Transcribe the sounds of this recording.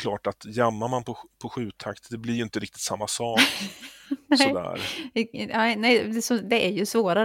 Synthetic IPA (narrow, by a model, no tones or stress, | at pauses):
kʰlɑːʈat̪jamːamanpʰɔpʰɔɧʉ̟ːt̪ʰakt̪d̪ɛblɪɾjɵʏɪnt̪əɾɪkt̪ɪ̥t̪samːasɑːk | nɛsɔd̪æ̰ːɾ | anɛd̪ɛsɔd̪ɛʔæɾjɵsvoːɾa